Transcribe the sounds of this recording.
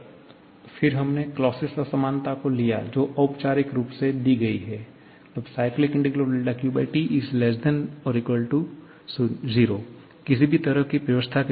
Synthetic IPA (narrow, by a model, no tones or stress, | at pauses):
fɪɾɦɐmneklɔːsɪsɔsɐmaːnt̪akolija̰d͡ʒoːʔɐʊpt͡ʃaːɾɪkɾuːpsed̪iɡɐiɦɛː | ɐbsaːɪklɪkɪ̃ɳʈɪɡɾilɔɖɛːkjuːbəːʈiʔɪzlɛs̬d̪ɛnɔɾɪkɔːɾɖʈu | sziːɾo | kɪsibʱit̪ɐɾəɦkipɾjəʋəst̪ʰak